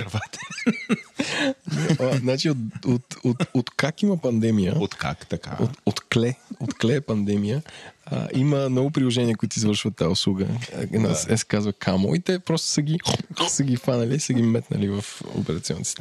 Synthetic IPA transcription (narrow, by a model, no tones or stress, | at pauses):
ɾɐvat̪ə̥ | nɛznat͡ʃiot̪ot̪ot̪ot̪kakiməpɐnd̪ɛmijə̰ot̪ka̰kt̪ɐka̰o̰t̪ot̪klɛot̪klɛpɐnd̪ɛmijəə̰ʔiməmnɔɡʊpɾilˠoʒɛniəkʊit̪ʊizvəɾʃvət̪ːaʊslˠuɡə̰na̰sɛskazvəkʰamo̰it̪ɛpɾɔst̪ʊ̥səɡisəɡʲifanɐliːsəɡimɛt̪nə̰livɐfo̰pɛɾɐt̪siɔ̰nːit̪t̪